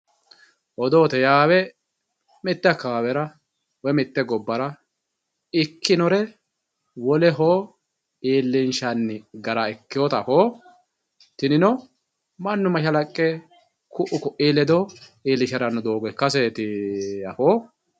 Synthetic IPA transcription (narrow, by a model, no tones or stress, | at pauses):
ʔɔd̪oːt̪ɛjaːwɛ | mɪt̪ːɛkaːwɛɾɐ | wɛmɛt̪ːɛɡɔbːɐɾɐ | ɪkʰːɪnɔɾɛ | wɔlɛɦoː | iːlːɪnʃɐnːɪɡɐɾɐɛkːɪjɔt̪ɐfoː | t̪ɪnɪnɔ | mɐnːʊmɐʃɐlɐkʼːɛ | kʊʔʊkʊʔiːlɛd̪ɔiːlːɪʃɛɾɐnːʊd̪o̞ːɡɔkɐs̬eːt̪ɪɐ̰foː